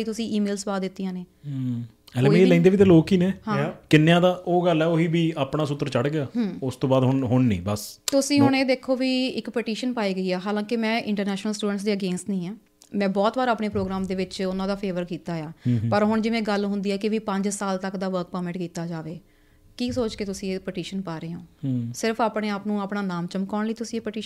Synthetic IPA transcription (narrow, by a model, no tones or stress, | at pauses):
iːt̪ʊsĩːiːmeːlsbaːd̪ɪt̪ːijãːneː | ɛlelɛ̃ːnd̪eːʋiːt̪eːloːkiːneːhãːkɪnːjãːd̪aːʔoːɡəlɛːoːɦiːbiːaːpɳaːsʊt̪ːəɾt͡ʃəɽɡeaːɦːʊst̪õːbaːd̪ɦʊnɦʊɳːḭ̃ːbəst̪ʊsĩːɦʊɳ̃eːd̪eːkʰːoːʋiːɪkpɛʈiːʃənpaːiːɡəiːɛːɦaːlãːkɪmɛ̃ːʔɪ̰̃ɳʈəɾnɛːʃnəlsʈuːɖəɳʈs̬d̪eːəɡeːnsnĩːɛː | mɛ̃ːbɔːt̪ʋaːɾaːpɳeːpɾoːɡɾaːmd̪eːʋɪt͡ʃʊnãːd̪aːpʰeːʋəɾkiːt̪aːjaːpəɾɦʊɳd͡ʒɪʋɛ̃ːɡəlɦʊ̃nd̪iːɛːkɪʋiːpə̃ɲd͡ʒsaːlt̪əkd̪aːʋəɾk̚pəmɛ̃ɳʈkiːt̪aːd͡ʒaːʋeː | kiːsoːt͡ʃkeːt̪ʊsĩːɪkpəʈiːʃənpaːɾeːɦõːsɪɾfʰaːpɳeːaːpnũːaːpɳaːnaːmt͡ʃəmkɔːɳləiːt̪ʊsĩːekpəʈiːʃ